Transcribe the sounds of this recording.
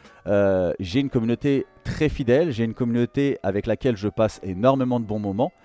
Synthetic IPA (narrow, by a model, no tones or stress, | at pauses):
øʒeynkɔmynot̪et̪χɛfid̪ɛlʒeynkɔmynot̪eavɛklakʲɛlʒəpasenɔʁmemɑ̃d̪əbɔ̃mɔmɑ̃